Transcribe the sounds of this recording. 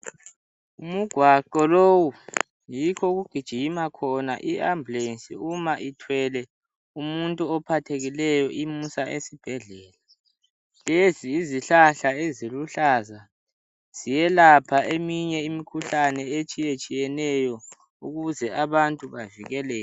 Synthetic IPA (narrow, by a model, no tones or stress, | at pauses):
umuɡ̥ʱwaǃɔlowu | jikʰɔɣuɡ̥ʱid̥ʒ̥ʱimakʰɔna̰ʔiambulensʼiumaʔitʰwɛlɛ | umuntʼuɔpʰatʰeɣilɛjɔʔimusaʔesib̥ʱɛɮɛːla | leziːziɬaɬaeziluɬaːza | z̥ijɛlapʰaemiɲɛimikʰuɬanɛet͡ʃʼijet͡ʃʼijɛnɛjɔ | uɣuzɛʔaβantʼuβaviɣɛlɛːj